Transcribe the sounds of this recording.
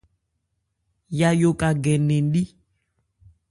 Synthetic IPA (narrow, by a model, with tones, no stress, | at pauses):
ja˨jo˨ka˨ɡɛ˨nɛ˨n˦ɗi˦